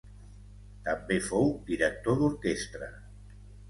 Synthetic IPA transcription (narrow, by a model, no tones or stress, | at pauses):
t̪ambefowd̪iɾək̚t̪oðuɾkest̪ɾə